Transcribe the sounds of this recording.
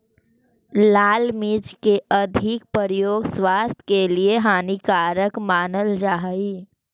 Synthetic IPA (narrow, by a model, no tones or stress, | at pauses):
laːlmiːt͡ʃkeʔɐd̪ʱɪk̚pəɾjoːɡswaːst̪ʰjkelieɦaːnikaːɾəkmaːnəld͡ʒaːɦiː